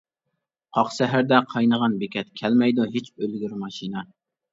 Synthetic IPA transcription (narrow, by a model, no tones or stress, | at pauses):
qʰɑqsɛɦæɾd̪ɛqʰɑjnəʁɑnbekʲʰɛt̪kʲʰɛlmɛjd̪uɦet͡ʃølɡʲyɾmɑʃinɑ